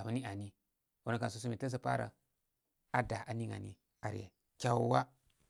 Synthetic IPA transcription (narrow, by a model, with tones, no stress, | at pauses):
a˨mu˨˦ni˦a˨ni˦ | o˦na˨ka˨s̬u˦s̬u˦mi˨ta˦s̬a˨pa̰˦ɾa̰˨ | a˦da˨ʔa˨ni˦ŋa̰˨nḭ˦ | a˨ɾḛ˨ | kʲa˦wwa˦